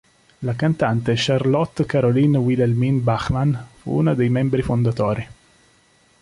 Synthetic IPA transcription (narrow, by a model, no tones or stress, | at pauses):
lakant̪ant̪eʃarlɔt̪ːkaɾolinwilelminbaxmanfṵunad̪ejmɛmbɾifond̪at̪ɔːɾi